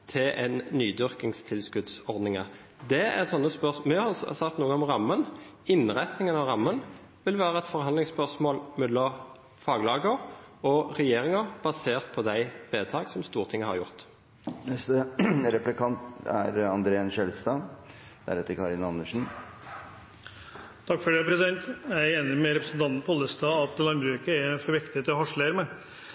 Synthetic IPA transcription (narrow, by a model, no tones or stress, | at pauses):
t̪ʰɪʔɛnnyːd̪ʏʁkɪŋst̪ʰɪlskʉd̪sɔʁd̪nɪŋəʁ | d̪ɛæ̰ʁsɔnːəspœʁsmɛhɑssɑkt̪nuːɡəɔmʁɑmːənɪnʁæt̪nɪŋənɑʋʁɑmːən | ʋɪlʋæːɾəɛt̪fɔʁɦɑnd̪lɪŋspœʁsmoːlmɛd̪ɔ | fɑːɡlɑːɡəɾɔʁɛjeːʁɪŋəb̥ɑseːʁt̪̚pʰɔd̪æɪʋeːt̪ʰɑːɡsɔmst̪uːʁt̪ʰɪŋːəhɑ̰ʁjʊʁt̪ | nɛst̪əɾɛplɪkʰɑnt̪æɾɑnd̪ɾeːɛnʃɛlst̪ɑ | d̪̥æ̰ɾɛt̪ːəɾkʰɑɾɪnɑnːəʂn̩ | t̪ʰɑkfɔɖeːpɾɛsɪd̪ɛnt̪jæɪeːnɪmɛɾɛpɾəsn̩t̪ɑnt̪n̩pʰɔlːəst̪ɑːɑt̪lɑnbɾʉːkəɛfɔɾʋɪkt̪ɪət̪ɪɔɦɔʂləɾmɛ